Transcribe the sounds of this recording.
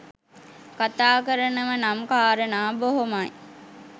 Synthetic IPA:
kat̪aːkəɾənəmənamkaːɾənaːboɦomaj

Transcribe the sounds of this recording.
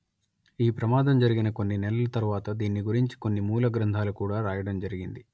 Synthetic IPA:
iːpɾɐmaːd̪ɐmd͡ʒɐɾiɡinɐko̞nːinɛlɐlɐt̪ɐɾuʋaːt̪ɐd̪iːnːiɡuɾiɲt͡ʃi̥ko̞nːimuːlɐɡɾɐnd̪ʱaːlukuːɽaːɾaːjɐɽɐmd͡ʒɐɾiɡind̪i

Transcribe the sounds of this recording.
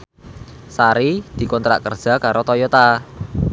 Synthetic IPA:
saɾid̪̥i̤kɔnt̪ɾa̰ʔkərd̥ʒ̥a̤kaɾʔot̪ɔjɔt̪a

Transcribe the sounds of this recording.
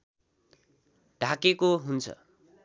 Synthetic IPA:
ɖʱakekoɦunt͡sʰʌ̰

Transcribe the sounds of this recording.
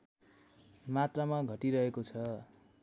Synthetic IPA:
mat̪ramaɡʱʌʈiɾʌɦekot͡sʰʌ

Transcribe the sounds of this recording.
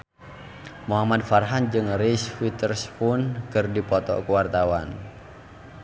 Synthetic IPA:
muɦamad̪̚farɦand͡ʒɨŋrisfit̪ərspʊnkɨrdipɔt̪ɔ̰kuwart̪awan

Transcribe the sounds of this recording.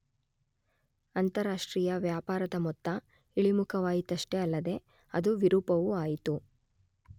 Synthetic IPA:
ɐnt̪ɐɾaːʂʈɾiːjɐʋjaːpaːɾɐd̪ɐmɔt̪ːɐ | iɭimukʰɐʋaːjit̪ɐʂʈeɐlːɐd̪e̞ | ɐd̪uʋiɾuːpɐʋuaːjit̪u

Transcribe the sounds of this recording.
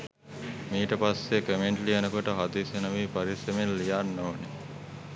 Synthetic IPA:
miːʈəpasːekemeɳʈliɐnəkoʈəɦad̪iːsenɐʋiːpaɾisemelːijaːnːoːne

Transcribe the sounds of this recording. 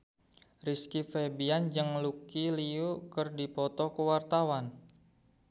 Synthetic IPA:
riskifebiand͡ʒɨŋlukiliukərdipɔt̪ɔkəwart̪awan

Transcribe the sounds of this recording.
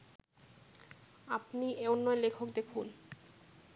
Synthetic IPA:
apnieonːɔelekʰokd̪ekʰun

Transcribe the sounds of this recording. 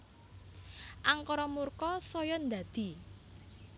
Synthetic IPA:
ʔaŋkɔɾɔmurkɔsɔjɔnd̪ad̪̥i̤

